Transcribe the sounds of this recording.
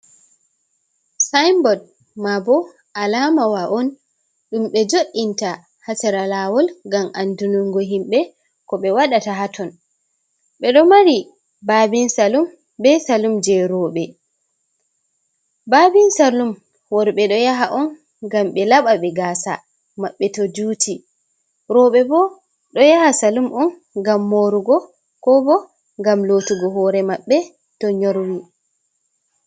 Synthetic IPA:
sajmbɔd̚ | mabɔ | ʔalamawaʔɔn | ɗumɓɛd͡ʒoɗːinta | hatɛɾalaːwɔlɡamʔandunuŋɡɔɦimɓɛ | kɔɓɛwaɗataɦatʰɔn | ɓɛɗɔmaɾi | babinsalum | bɛsalumd͡ʒɛɾɔɓɛ | baːbinsalum | wɔɾɓɛɗɔjaɦaʔɔn | ɡamɓɛlaɓaɓɛɡaːsa̰ | maɓːɛtɔd͡ʒuːtʰi | ɾɔɓɛbɔ | ɗɔjahasalumʔɔn | ɡamːoɾuɡɔ | kɔbɔ | ŋɡamlotuɡɔɦɔːɾɛmaɓːɛ | tɔɲoɾwi

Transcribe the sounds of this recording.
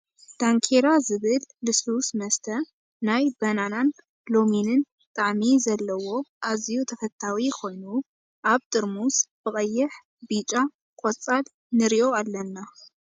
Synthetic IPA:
d̪̥aŋkʰeɾazɨβɨlːɨsusmɐst̪ʰɐ | najbɐnanan | lo̞minɨn | t̪ʼaʕmizɐlːɐwo̞ʔazijut̪ʰɐfɐt̪ʰːawikʰo̞jnu | ʔaβt̪ʼɨɾmusb̥ɨkʼɐjːɨħ | bit͡ʃʼa | kʼot͡sʼal | nɨɾiʔo̞alːɐnːa

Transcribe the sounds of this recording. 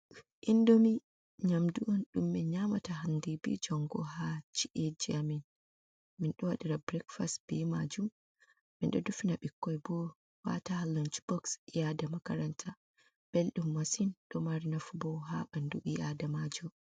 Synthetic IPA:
ʔindomi | ɲamduʔɔnɗumːɛɲamataɦandibḭd͡ʒɔŋɡɔhat͡ʃi̥ʔed͡ʒiamin | minɗɔwaɗiɾabɾɛkfastb̥imad͡ʒum | minɗɔ̰dufinaɓikːɔjbɔ | wa̰tahalɔnt͡ʃb̥ɔksjadamakaɾantʰa | b̥ɛlɗumːasinɗɔmaɾinafubɔɦa̰ɓandṵʔijadamad͡ʒu

